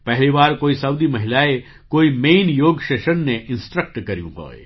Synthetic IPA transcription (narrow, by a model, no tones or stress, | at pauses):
pɛɦlibaːɾkoːisɐwd̪imɐɦɪlaːe | koːimeːnjoːɡʃeːʃənːẽʔɪ̃nsʈɾək̚ʈkɐɾijṵ̃ɦo̰ːḛ